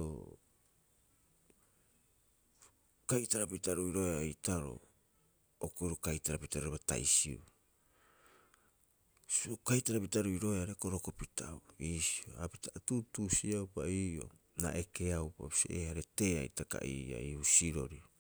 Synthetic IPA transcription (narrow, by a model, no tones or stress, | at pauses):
o̰ | kajtaɾapitaɾuiɾo̞eaitaɾo̰ | okojɾokajtaɾapitaɾoɾeβata̰jsḭu | skajtaɾapitaɾuiɾo̞eaɾekoɾokopitʰawiːsioapitaʔatutusiawpaiːo̰ | na̰ʔekeawpa̰pi̥seehaɾete̞ːajtaka̰ʔḭːa̰iusiɾo̞̰ɾi